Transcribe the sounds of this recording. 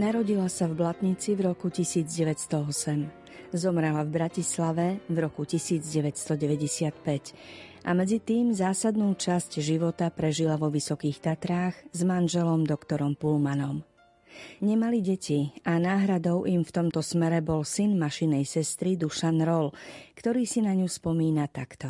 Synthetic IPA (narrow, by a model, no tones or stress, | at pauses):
naɾɔɟilasavblat̪ɲit͡sivɾɔkucisiːd͡zɟɛʋɛt̪st̪ɔɔsɛm | zɔmɾɛlavbɾacislaʋɛvɾɔkucisiːd͡zɟɛʋɛtst̪ɔɟɛʋɛɟɛsɪat̪pɛcʔa̰mɛd͡zit̪iːmzaːsad̪nuːt͡ʃascʒiʋɔt̪apɾɛʒilaʋɔʋisɔkiːxt̪at̪ɾaːɣzmanʒɛlɔmd̪ɔkt̪ɔɾɔmpulmanɔm | ɲɛmaliɟɛciʔanaːɦɾad̪ɔʊʔimft̪ɔmt̪ɔsmɛɾɛbɔlsinmaʃinɛjsɛst̪ɾid̪uʃanɾɔlkt̪ɔɾiːsinaɲuspɔmiːnat̪akt̪ɔ